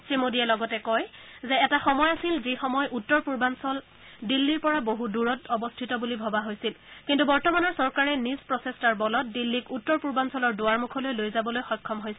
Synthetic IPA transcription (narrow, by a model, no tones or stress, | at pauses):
sɹimodiɛlɔɡɔtɛkɔjzɛɛtaxɔmɔjasilzixɔmɔjutːɔɹpuɹbansɔl | dilːiɹpɔɹaboɦuduɹɔtɔbɔstʰitɔbulibʱɔbaɦojsil | kintubɔɹtɔmanɔɹsɔɹkaɹɛnizpɹɔsestaɹbɔlɔt̚dilːikutːɔɹpuɹbansɔlɔɹdoaɹmukʰɔlojlojzabɔlojxɔjkʰːɔmɦojsil